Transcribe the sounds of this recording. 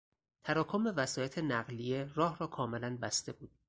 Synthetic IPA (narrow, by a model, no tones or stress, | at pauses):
t̪ʰæɾɒːkʰombevæsɒːjet̪ʰe̞næɣlije̞ɾɒːhɾɒːkʰɒːme̞lænbæst̪e̞buːd̪̥̚